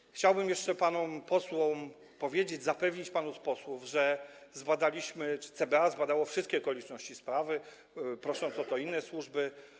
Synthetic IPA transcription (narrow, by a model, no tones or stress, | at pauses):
xt͡ɕawbɘmjɛʂt͡ʂɛpanɔmpɔswɔ̃ | pɔvʲjed͡ʑed͡ʑzapɛvɲit͡ɕpanuspɔswuvʐɛzbad̪alʲiɕmɘt͡ʂɘ̥t̪sɛbɛazbad̪awɔfʂɘst̪kʲɛɔkɔlʲit͡ʂnɔɕt͡ɕispɾavɘ | pɾɔʂɔnt̪sɔt̪ɔinːɛswuʐbɘ